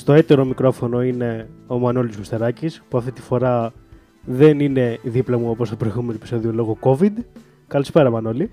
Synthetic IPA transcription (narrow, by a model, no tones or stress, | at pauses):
st̪o̞et̪e̞ɾo̞mikɾo̞fo̞no̞ine̞omɐnolizmost̪e̞ɾɐcispuɐft̪it̪ifo̞ɾɐ | ðe̞nine̞ðiplɐmuopost̪opɾojɣumenoepi̥so̞ðiolo̞ɣoko̞vid̪ | kɐlispe̞ɾɐmɐno̞li